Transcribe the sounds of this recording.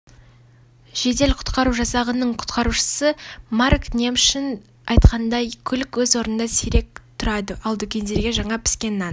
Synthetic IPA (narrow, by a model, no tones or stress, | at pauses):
ʒ̥e̞d̪e̞lqʰʊ̥t̪qɑɾuʒɑsɑʁənəɴqʰʊ̥t̪qɑɾuʃə̥səmɑɾknʲemʃɪn | ɑjt̪qɑnd̪ɑjkʲʰʏlɪkwɵzwo̞ɾnənd̪ɑseɾe̞k̚t̪ʰʊɾɑd̪əʔɑlˠd̪ʏkʲʰe̞nd̪e̞ɾɡʲe̞ʒɑɴɑpʰɪ̥skʲe̞nːɑn